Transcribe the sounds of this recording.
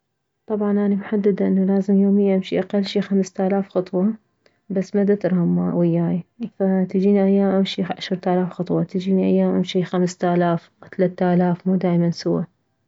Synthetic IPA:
t̪ˤɑbʕɑnʔaːnabħad̪ːɪd̪ʔɪnːalaːzɪmjoːmɪjːaʔamʃiʔaqalːʃixamst̪aːlaːfxɑt̪ˤwɑ | basːmad̪at̪ɪɾˤhamːawɪjːaːjafat̪ɪd͡ʒiːniʔajːaːmʔɪmʃiʕaʃhɨɾˤt̪aːlaːfxɑt̪ˤwɑt̪ɪd͡ʒiːniʔajːaːmʔamʃixamst̪aːlaːfwt̪alat̪ːʔaːlaːfmuːd̪aːjmansʊwːa

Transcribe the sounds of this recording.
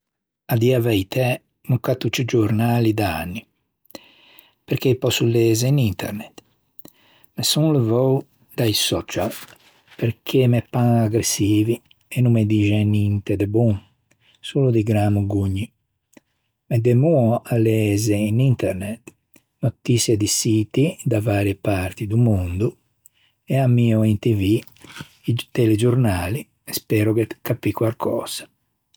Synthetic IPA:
ad̪iavɛjt̪ɛ | nukat̪ːut͡ʃid͡ʒuɾnaːlid̪aa̰nːi | peɾkejpɔsuleːzeinint̪ʰɛ̰ɾnɛt̪ | mesunləvɔw | d̪ajsɔt͡ʃal | peɾkʰemɛpːãaɡɾesiːvi | ɛnumed̪iʒɛnint̪ed̪ebun | suːlud̪iɡɾamuɡuɲːi | mɛd̪ɛmuɔalːɛɛzɛinint̪ɛɾnɛt̪ | not̪isjed̪isiːt̪id̪avaːɾiɛpaɾt̪id̪umund̪u | ɛamiːuint̪ivi | it̪ɛlɛd͡ʒuɾnaːli | ɛspɛːɾɔɡɛt̪kapːikwaɾkʰɔ̰ːz̥ḁ

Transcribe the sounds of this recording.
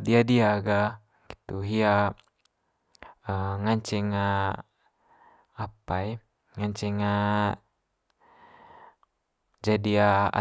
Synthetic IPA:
diadiaɡa | ɡit̪uɦia | əŋaɲt͡ʃɛŋa | apai | ŋaɲt͡ʃɛŋa | d͡ʒadiaa̰

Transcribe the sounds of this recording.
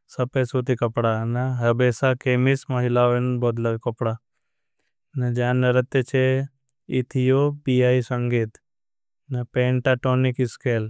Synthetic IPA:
sɐpesut̪ikɐpɽanaɦɐbeːsakeːmismɐɦilaːʋenboːt̪lɐɡkɐpɽa | nɐd͡ʒaːnːɐɾɐt̪ːet͡ʃʰe | it̪ʰijobijaːisɐŋɡeːt̪ | nɐpẽːɳʈaʈoːnikiskeːl

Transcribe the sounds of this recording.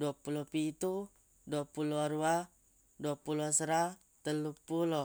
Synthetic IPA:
duapulopiːt̪u | duapulɔɾua | duapulɔsəɾa | t̪əlupulɔ

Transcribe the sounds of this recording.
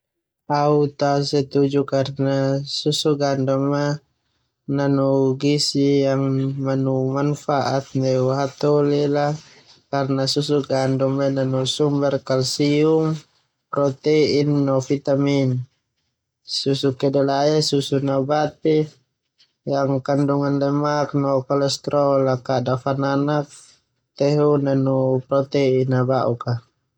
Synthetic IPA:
aut̪asɛt̪ud͡ʒukarnasusuɡandɔmːa | nanɔɡisijaŋmanumanfaʔat̪̚nɛwɦat̪ɔlɛla | karnasusuɡandɔmananɔsumbɛrkalsium | pɾɔt̪ɛinːɔfit̪amin | susukɛdalajasusunabat̪ɛ | jaŋkanduŋanlɛmak̚nɔkɔlɛst̪ɾɔlakadafananak̚ | t̪ɛɦunanupɾɔt̪ɛinabaʔuka

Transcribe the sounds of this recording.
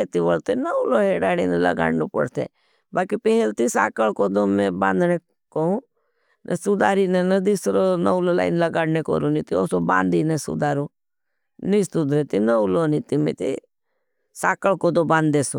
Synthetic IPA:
et̪iʋəlt̪enəloːɦeːɽaːɽiːnelə̰ɡa̰ːɽnoːpə̰ɽt̪ʰḛː | baːkipeɦelt̪isa̰ːkəlkoːd̪oːmẽbã̰ːnd̪neː | koũː | nʔəsud̪aːɾiːnẽnəd̪iːsɾoːnəwlola̰ːɪnləɡaːɽneko̰ɾuːnit̪ioːsobã̰ːnd̪iːnesṵd̪aːɾũː | nist̪uːd̪ɾeːt̪inəuloːnit̪imḛ̃ːt̪ḭ | saːkəɭkoːd̪obãːnd̪eːsõː

